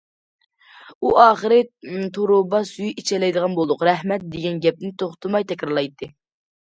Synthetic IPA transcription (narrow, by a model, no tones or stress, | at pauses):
uʔɑːχəɾɨt̪ʰoɾʊbɑsyjit͡ʃʰɛlɛjd̪əʁɑnbolˠd̪ʊqɾɛɦmɛt̪̚d̪eɡʲɛnɡʲɛp̚nɪnt̪ʰoχt̪ʰɨmɑjt̪ʰɛkʲɾɑɾlˠɑjt̪ʰːɨ